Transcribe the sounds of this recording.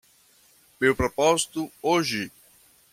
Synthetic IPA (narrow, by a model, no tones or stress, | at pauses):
mewpɾopɔzit̪uoʒɪ